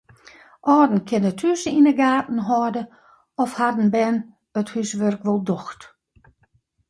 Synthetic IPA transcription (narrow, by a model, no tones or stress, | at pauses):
ʔɔːdn̩kʰenəthysəinəɡaːtn̩ɦɔːdə | ɔfhadn̩bɛn | əthysʋørkʋɔlˠdɔxt